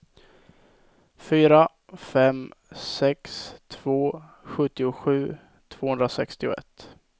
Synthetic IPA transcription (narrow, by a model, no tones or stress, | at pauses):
fyːɾa | fɛmsɛkst̪ʰv̥oː | ɧɵt̪ːɪʊɧʉ̟ː | t̪ʰv̥oːhɵnd̪ɾasɛkst̪ɪʊ̰ɛ̰t̪ː